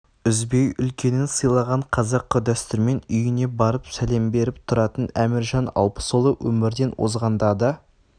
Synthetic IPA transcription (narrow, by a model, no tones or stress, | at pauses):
ʏzbe̞jʏlkʲʰe̞nɪnsəjlˠɑʁɑɴqʰɑzɑqːəd̪æst̪ɪɾme̞nʏjɪne̞bɑɾəpsæle̞mbe̞ɾɪp̚t̪ʰʊɾɑt̪ənæmɪɾʒɑnɑ̰lˠpə̥solˠəwʔɵmɪɾd̪e̞nwo̰zʁɑnd̪ɑd̪ɑ